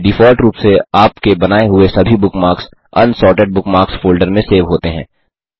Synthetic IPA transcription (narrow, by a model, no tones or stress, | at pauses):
ɖɪfɔːlʈɾuːpseaːpkebɐnaːeɦʊesɐbʱibʊkmaːɾks | ɐ̰nsɔːɾʈeɖ̚bʊkmaːɾksfoːlɖəɾmẽseːʋɦoːt̪eɦɛ̰̃ː